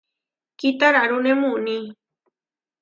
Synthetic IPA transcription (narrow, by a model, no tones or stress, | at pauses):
kit̪aɾaɾunemuni